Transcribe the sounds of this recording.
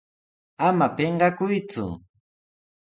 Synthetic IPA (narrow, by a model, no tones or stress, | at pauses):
amapeɴɢɑkʊjt͡sʊ̰